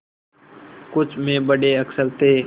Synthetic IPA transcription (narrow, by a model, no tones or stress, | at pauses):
kʊt͡ʃʰmẽbəɽeəksəlt̪eː